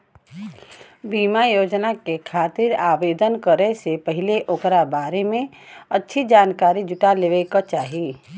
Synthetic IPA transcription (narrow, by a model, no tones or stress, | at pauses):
biːmajoːd͡ʒnakekʰaːt̪ɪɾaːʋeːd̪ənkəɾesepəɦɪleʔokɾabaːɾemẽ | ɐtːʃʰid͡ʒaːnkaːɾid͡ʒʊʈaleʋekat͡ʃaːɦieː